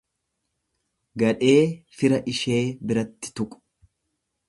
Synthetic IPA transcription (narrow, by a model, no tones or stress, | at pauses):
ɡɐᶑe̞ːfɪɾɐʔɪʃe̞ːbɪɾɐt̪ːɪ̥t̪ʊkʼʊ̥